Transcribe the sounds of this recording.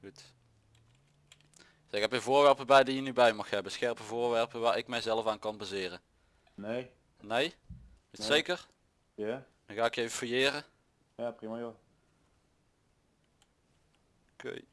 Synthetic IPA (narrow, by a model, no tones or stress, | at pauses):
ɣut | ɪkɛpəvʊːɹʋɛɹpəbɛjdijənybɛjmɑxhɛbəsxɛɹpəvʊːɹʋɛɹpəʋaːɹɪkmɛjzɛləfaːnkɑnbazɪːrə | ne | nej | sejkər | ja | ɣaːɪkejvəfəjɪːrə | japrimajo | okḛj